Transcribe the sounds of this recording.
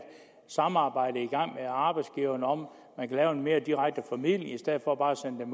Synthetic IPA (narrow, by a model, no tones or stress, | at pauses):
sɑ̈mɑ̈ːb̥ɑ̈ɪ̰d̥əiɡ̥ɑ̈ŋ̰meɑ̈ːb̥ɑ̈ɪdsɡ̥iʊɐnəɒ̽m | mænkʰælɛːʊe̝nme̝ːɐd̥iʁaɡ̥̚d̥əfæmið̰ˠljəisd̥eð̰ˠfɒ̽b̥ɑ̈ːæsenəd̥em